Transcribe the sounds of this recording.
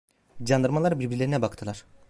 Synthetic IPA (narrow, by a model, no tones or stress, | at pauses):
d͡ʒand̪ɯɾmalˠaɾbiɾbiɾlʲe̞ɾinɛbakt̪ʰɯlˠaɾ̥